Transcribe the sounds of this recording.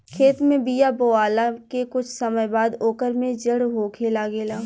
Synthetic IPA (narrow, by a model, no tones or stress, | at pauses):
kʰeːt̪mẽbijaboːaːlakekʊt͡ʃʰsəməjbaːd̪oːkəɾmẽd͡ʒəɽɦoːkʰeːlaɡeːlaː